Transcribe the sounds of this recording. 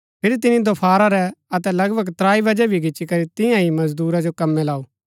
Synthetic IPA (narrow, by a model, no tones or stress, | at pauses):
pʰɪɾt̪̬ɪnid̪opʰaːɾaɾɛɐt̪ɛlɐɡbʱɐɡt̪ɾaːibɐd͡ʒɛbʱiɡɪt͡ʃːʃikɐɾit̪ɪ̃jãimɐzd̪uːɾad͡ʒokɐmːɛlaːuː